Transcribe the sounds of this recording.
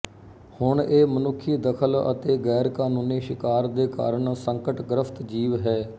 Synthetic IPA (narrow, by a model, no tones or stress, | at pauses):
hʊɳeːmənʊkʰːiːd̪əkʰələ̰t̪eːɡɛːɾkaːnoːneːʃɪkaːɾd̪eːka̰ːɾəɳsəŋkəʈɡɾəpʰt̪d͡ʒiːʋɦɛː